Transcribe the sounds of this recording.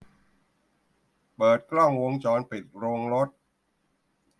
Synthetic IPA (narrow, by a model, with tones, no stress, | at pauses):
pɤː˨˩t̪̚klɔ˥˩ŋwo˧˥ŋt͡ɕɔː˧npi˨˩t̪̚ɾoː˧ŋɾo˦˥t̪̚